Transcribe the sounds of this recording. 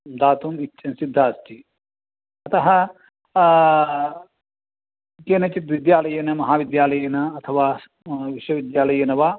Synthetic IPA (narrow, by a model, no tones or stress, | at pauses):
d̪aːt̪umitːt͡ʃʰɐnsid̪ʱːaːsʈi | ɐt̪ɐɦɐ | kenɐt͡ʃit̪ʋid̪jaːlɐjɐnɐmɐɦaːʋid̪jaːlɐjɐnɐɐt̪ʰɐʋaː | ʋiʃwɐʋid̪jaːlɐjɐnɐʋaː